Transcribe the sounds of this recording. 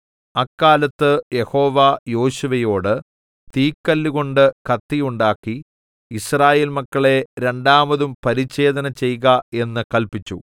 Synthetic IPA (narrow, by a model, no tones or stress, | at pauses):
ɐkːaːlɐt̪ːɨje̞ho̞ːʋajo̞ːɕuʋɐjo̞ːɽɨ | t̪iːkːɐlːuɣo̞ɳɖɨkɐt̪ːijuɳɖaːkːiː | sraːje̞ːlmɐkːɐɭe̞ɾe̞ɳɖaːmɐðumpɐɾit͡ɕːe̞ːd̪ɐnɐt͡ɕe̞jɣɐe̞nːɨkɐlpit͡ɕːṵ